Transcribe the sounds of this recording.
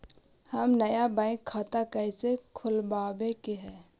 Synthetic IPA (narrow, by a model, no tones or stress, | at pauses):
həmnəjabãːɪ̃kʰːaːt̪akəɪsekʰʊlbaːbekeɦɛː